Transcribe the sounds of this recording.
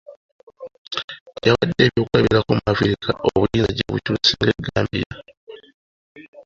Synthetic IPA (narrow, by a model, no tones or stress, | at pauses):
jaβadːeːβjokuaβiɾakumumaviɾikʰaʔoβujiːnzaɟoβutuːsiŋɡeɡaːmbiɾa